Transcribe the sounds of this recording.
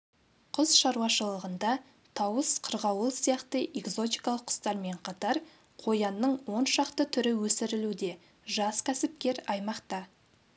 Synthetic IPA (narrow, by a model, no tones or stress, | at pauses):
qʰʊzʃɑɾwɑʃəlˠəʁənd̪ɑ | t̪ʰɑwəsqʰəɾʁɑwəlˠsijɑqt̪əʔe̞kzo̞t̪ijkɑlˠəqʰːʊ̥st̪ɑɾme̞ɴqʰɑt̪ɑɾ | qʰo̞jɑnːəɴwo̞nʃɑqt̪ət̪ʰʏɾɪwɵsɪɾɪlud̪e̞ | ʒɑskʲʰæsɪp̚kʲe̞ɾɑjmɑqt̪ɑ